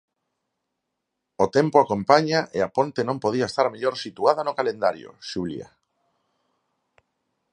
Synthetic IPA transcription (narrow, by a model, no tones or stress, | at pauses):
ot̪ɛmpoakompaɲaʔeapont̪enõmpoð̞iaest̪aɾmeʎoɾsit̪uaðanʊkalend̪aɾjo̰ʃulḭa̰